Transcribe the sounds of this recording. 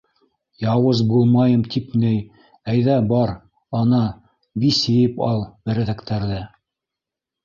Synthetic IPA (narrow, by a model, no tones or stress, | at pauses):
jɑwɤzbulˠmɑjɤmt̪ipnɘj | æjðæbɑɾ | ɑnɑ | bisɘ̆jɘpɑ̰lˠbɘ̆ɾɘ̆ðækt̪æɾðæ